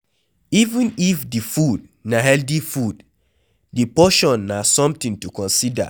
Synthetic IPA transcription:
ivũnifdifud | naɦɛldifud | dipɔʃɔ̃nːasɔ̃mtĩŋtukɔ̃nsida̰

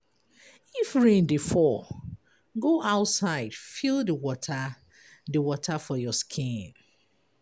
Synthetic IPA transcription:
ifɹĩndifɔ | ɡoʔaʊtsaɪd̥filˠdəwɔtʰa | dəwɔtʰafɔjɔskʰĩn

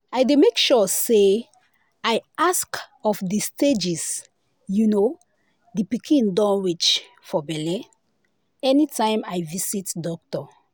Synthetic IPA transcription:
ajdemekʃɔse | ajʔaskɔfdisted͡ʒis | juno | dipikʰĩndɔ̃nwit͡ʃ | fɔbɛlɛ | ɛnitãɪ̃majvisitdɔk̚tɔ

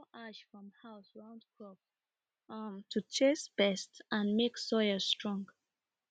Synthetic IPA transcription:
ʔaʃfɹɔ̃mhaʊsɹãʊ̃ndkʰɹɔp̚ | mtʰut͡ʃesb̥ɛstʔə̃nmeksɔɪəstɹ̥ɔ̃ŋɡ

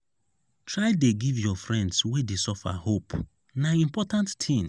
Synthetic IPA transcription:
tɹaɪdeɡivjɔfɹɛ̃ndswedesɔfa̰hop | naĩmpɔtãntːʰĩn

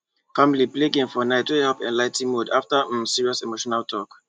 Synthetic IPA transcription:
fãmilipleɡĩŋfɔnaɪtwuhɛlpɛ̰̃nlaɪtĩmudaftəə̃msiɹiɔsɛmoʃɔnalˠtʰɔk

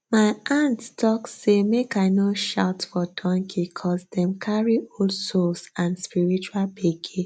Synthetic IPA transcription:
maɪʔãnttʰɔksemekaɪnoʃa̰ʊtfɔdɔ̃ŋkʰikʰɔsdɛ̃mkʰaɹioldsolsãnspiɹit͡ʃualpeɡi

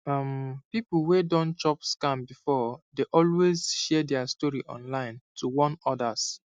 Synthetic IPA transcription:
ʌmpipl̩wedɔ̃nt͡ʃɔpskãmbifɔdeʔɔlwezʃɛdɛastɔɹiʔɔ̰̃nlãɪ̃ntʰuwɔ̃nɔdəs

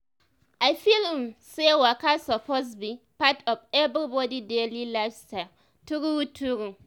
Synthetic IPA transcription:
ʔaɪfilmsɛwakasɔposbi | patʰɔvɛbbɔdidelilafsta | tuɾiwutʰuɾu

